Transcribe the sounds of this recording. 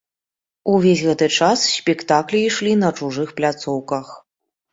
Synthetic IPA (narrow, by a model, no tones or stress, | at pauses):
uvʲesʲɣɛt̪ɨt͡ʂassʲpʲɛkt̪aklʲiːʂlʲinɐt͡ʂuʐɨxplʲat̪sɔwkɐx